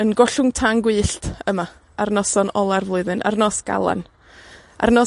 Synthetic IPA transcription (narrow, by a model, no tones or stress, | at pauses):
ənɡɔɬʊŋtʰaŋɡwɨːɬtəma | arnɔsɔnɔlˠarvlˠʊɨðɨnʔa̰rnɔːsɡ̥a̰lˠa̰n | ʔa̰rnɔ